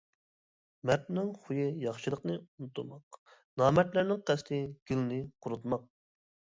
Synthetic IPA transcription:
mæt̪nɪŋχujɨjɑχʃɨlˠəqnɨunt̪ːumɑq | nɑːmɛt̪læɾnɪŋqʰæst̪ʰɪɡ̥ʲylnɨqʰʊɾut̪mɑq̚

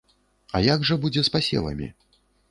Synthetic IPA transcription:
ajaɡʐɐbud͡zʲɛspasʲɛ̰lˠɐ̰mʲḭ

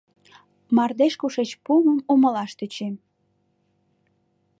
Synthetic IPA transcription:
mɑrd̪eʃkuʃet͡ɕpuməmumə̆lɑʃt̪yt͡ɕem

